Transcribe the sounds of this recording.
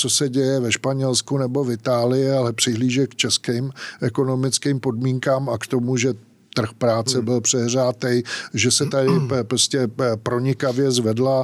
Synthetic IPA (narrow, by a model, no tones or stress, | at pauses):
t͡so̞sɛɟɛjɛvɛʃpaɲɛlskunɛbo̞vɪt̪aːlɪjɪalɛpr̝̥ɪɦliːʒɛkt͡ʃɛskiːmʔɛko̞no̞mɪt͡skiːmpo̞dmiːŋkaːmakt̪o̞muʒɛ | t̪r̩xpɾaːt͡sɛbɪlpr̝̥ɛɦr̝aːt̪ɛjʒɛsɛt̪adɪpɾoscɛpɾo̞ɲɪkavjɛzvɛdla